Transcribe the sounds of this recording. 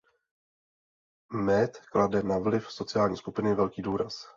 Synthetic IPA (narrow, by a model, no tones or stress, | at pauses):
mɛt̪kladɛnavlɪfso̞t͡sɪjaːlɲiːskupɪnɪvɛlkiːduːɾas